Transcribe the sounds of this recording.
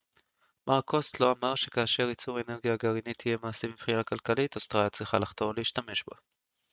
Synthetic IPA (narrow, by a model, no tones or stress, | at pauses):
maʁkʰo̞slo̞amaʁʃe̞kaːʃe̞ʁit͡suʁe̞ne̞ʁɡijaɡaʁinit̪ʰije̞maːsemibχinakalkalit̪ost̪ʁajat͡sʁiχalaχt̪o̞vleiʃtame̞ʃba